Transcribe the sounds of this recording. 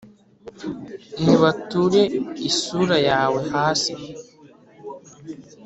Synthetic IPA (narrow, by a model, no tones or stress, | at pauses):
niβatuɾe̞isuːɾajaːwe̞haːsi